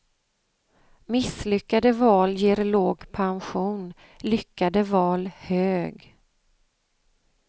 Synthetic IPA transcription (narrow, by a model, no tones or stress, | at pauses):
mɪslʏkːad̪əvɑːljeːɾloːɡpʰanɧuːn | lʏkːad̪əvɑːlhøːɡ